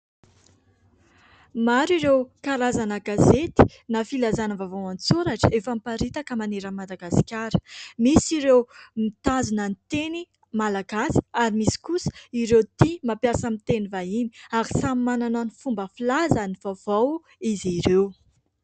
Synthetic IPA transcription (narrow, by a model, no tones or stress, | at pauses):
maɾiɾewkaɾazanəɡazet̪i̥nafilazanəvavawant͡suɾaʈ͡ʂəefəmpaɾit̪akəmaneɾəmad̪aɡasi̥kʲaɾə̥misiɾewmit̪azunənit̪eni | malaɡasi̥aɾimisi̥kusə̥iɾewt̪imapjasəmit̪enivaini̥aɾisammanananifumbəfilazaniv̥av̥aw | iziɾew